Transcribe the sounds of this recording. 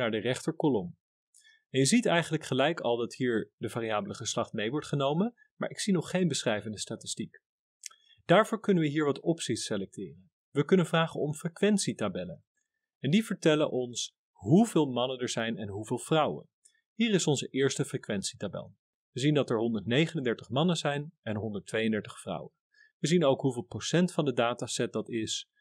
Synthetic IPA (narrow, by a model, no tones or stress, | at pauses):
naːɹdərɛχtəɹkɔlɔm | ɛnjəzitɛjχənləkχəlɛjkɑlˠdɑtɦiːɹdəvaːriaːbələχəslɑχtmejʋɔɹtχənowmən | ma̰ːɹɪksinɔχːejnbəsrɛjvəndəstaːtɪstik | d̥aːɹvʊːɹkɵnənʋəɦiːɹʋɑtɔpsitselɛk̚tɪːrən | ʋəkɵnənvraːχənɔmfrekʋɛntsitabɛlən | ɛndivəɹtɛlənʔɔns | ɦuvɪːlˠmɑnənəɹzɛjnɛnɦuvɪːlˠvrɑwə̰n | ɦiːrɪsɔnzəʔɪːɹstəfrekʋɛnsi̥tabɛ̰lˠ | ʋəzindɑtɛɹɦɔndəɹtnejχənəndɛɹtəχmɑnənzɛjnɛnɦɔndəɹtʋejəndɛɹtəχfrɑ̰wən | ʋəzinowkɦuvɪːlˠprowsɛntfɑndədaːtasɛt̚dɑtɪs